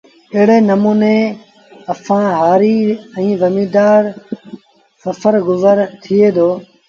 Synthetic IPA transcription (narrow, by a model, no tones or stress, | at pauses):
ɪɦɽeːnəmuːneː | əsãːɦaːɾiːɛ̃ːʋəmiːd̪aːɾ | səfʰəɾɡʊzəɾt̪ʰɪeːd̪oː